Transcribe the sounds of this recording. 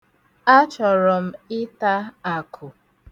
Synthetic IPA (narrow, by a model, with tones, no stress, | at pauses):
a˦t͡ʃɔ˨ɾɔ˨m̩˦ɪ˦ta˦a˨kʰʊ˨